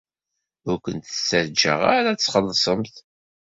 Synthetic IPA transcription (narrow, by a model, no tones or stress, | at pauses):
ʊɾkʷənt̪əsːəɾd͡ʒə̰ʁa̰ɾat͡sːχəlːsˤəmθ